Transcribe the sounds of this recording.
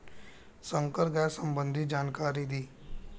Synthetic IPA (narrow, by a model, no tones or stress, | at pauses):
sə̃ŋkəɾɡɛːsə̃mbə̃nd̪ʱid͡ʒaːnkaːɾid̪iː